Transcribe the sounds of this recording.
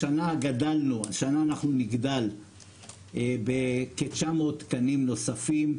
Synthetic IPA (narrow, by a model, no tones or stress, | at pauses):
anaɡad̪alnuaʃanaːnaχnuniɡd̪al | ebeket͡ʃamo̞t̪kanimno̞safim